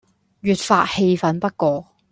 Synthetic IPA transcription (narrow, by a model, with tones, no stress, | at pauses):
ɥyː˨t̚faː˧t̚he˧jfɐ˨˥npɐ˥t̚kɔː˧